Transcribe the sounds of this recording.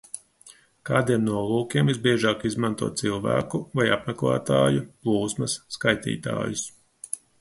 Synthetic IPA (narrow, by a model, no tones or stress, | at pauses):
kaːd̪iɛmnuɔlˠuːkʲiɛmizbiɛʒɑːkizmant̪uɔːt̪̚silˠvæ̰ːkuvajapmɛklˠæ̰ːt̪aːjuplˠuːsmɐsːkajt̪ḭːt̪a̰ːjus